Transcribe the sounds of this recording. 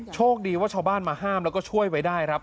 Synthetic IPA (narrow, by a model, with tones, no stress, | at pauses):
t͡ɕʰoː˥˩k̚diː˨˧waː˥˩t͡ɕʰaː˧˩baː˥˩nmaː˧ɦaː˥˩mlɛ˦˥wkɔː˥˩t͡ɕʰu˥˩əjwa˦˥jdaː˥˩jkʰɾa˦˥p̚